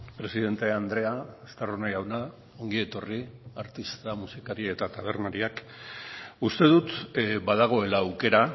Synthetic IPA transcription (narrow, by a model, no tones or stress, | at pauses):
pɾe̞sið̞e̞nt̪e̞and̪ɾe̞aest̪aronajawna | o̞ŋɡie̞t̪o̞riaɾt̪ist̪amusikaɾie̞t̪at̪aβ̞e̞ɾnaɾiak | ust̪e̞ðut̪baðaɣ̞o̞e̞laːwke̞ɾa